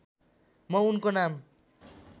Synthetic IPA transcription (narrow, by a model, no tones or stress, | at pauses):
mʌunkonam